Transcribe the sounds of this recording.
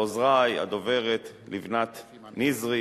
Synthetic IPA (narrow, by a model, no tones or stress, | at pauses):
ozʁaja̰d̪ove̞ʁet̪livnat̪ | nizʁi